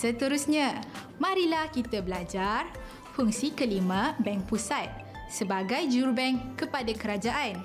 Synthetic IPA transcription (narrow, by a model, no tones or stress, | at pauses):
sət̪əɾusɲã | mãɾilahkit̪abəlad͡ʒar | fuŋsikəlimãbɛŋk̚pusat̪̚ | səbaɡajd͡ʒurbɛŋkːəpadakəɾad͡ʒaʔan